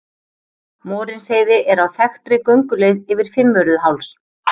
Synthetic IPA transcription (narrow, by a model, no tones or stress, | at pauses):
mɔːɾɪnseːjðɪʔɛɾawθɛxt̪ɾɪkœɥŋkʏlejðɪvɪɾ̥fɪmːœɾʏðʏɦawls